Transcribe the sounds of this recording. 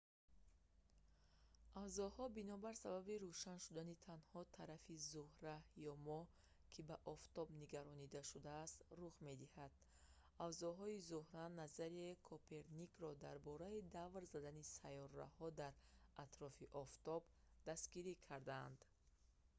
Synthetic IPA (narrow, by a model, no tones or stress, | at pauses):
avzɔhɔbinɔbaɾsababiɾuʃanʃud̪anit̪ʰanhɔt̪ʰaɾafizuhɾajɔmɔ | kʰibaʔɔft̪ɔbniɡaɾɔnid̪aʃud̪aːst̪ruʁme̞d̪ihad̪̥̚ | avzɔɦɔizuhɾanazaɾiekʰopʰe̞ɾnikɾɔd̪aɾbɔɾaid̪avɾzad̪anisajɔrːa̰hɔd̪aɾat̪ɾɔfiʔɔft̪ɔb | d̪ast̪ɡiɾikʰaɾd̪aːnd̪